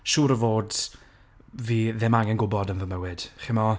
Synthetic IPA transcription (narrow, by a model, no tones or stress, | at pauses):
ʃuːɾəvoːd | viːðɛmaŋɛnɡʊbɔdənvəməwɪd̥χɪmɔ